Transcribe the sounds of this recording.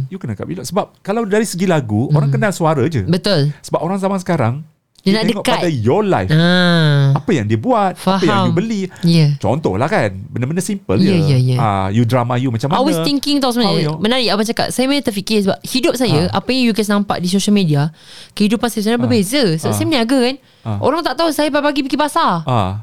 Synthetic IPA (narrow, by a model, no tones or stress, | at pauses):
jukənaka̰ʔbilɔʔsəbap̚kalawdaɾisəɡilaɡuoɾaŋkənaŋsuaɾəd͡ʒə̰bət̪ʊlsəbapoɾaŋzamaŋsə̥kaɾaŋ | danaʔ̪ɛdəɔʔkaat̪dajɔla̰jfaapəjaŋdiəbuat̪̚faaɦajaŋjumbəlijat͡ʃɔ̰nt̪ɔ̰hlahkanbənəbəndasimpə̰ld͡ʒajjajəa̰judɾamajumat͡ʃamaɔlwesiŋkɪŋt̪aosəmãamənaɾiapat͡ʃaka̰t̚sajamanət̪əfikɪsəbap̚hidʊp̚sajaʔapajaŋjukɛs̬nãmpa̰ʔdis̬oʃəlmidia | kəhidupansajas̬ajãbəbezəsəbaʔsajəmniaɡakan | ʔo̰ɾaŋt̪aʔt̪ausajapapaɡipikipasaa